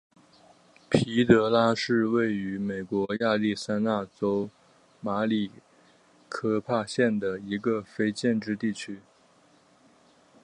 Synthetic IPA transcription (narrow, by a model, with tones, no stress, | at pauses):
pʰi˧˥t̪ɤ˧˥la˥ʂɻ̩˥˧we˥˩ɪy˧˥me˨˩ɪkwɔ˧˥ja˥˧li˥˩sa˥na˥˩t͡so˥ʊ | ma˧˥li˨˩ | kʰɤ˥˧pʰa˥˧ɕjɛ˥˩nd̪ə˩i˧˥ɡə˧fe˥ɪt͡ɕjɛ˥˧nʈ͡ʂɻ̩˥˧t̪i˥˩t͡ɕʰy˥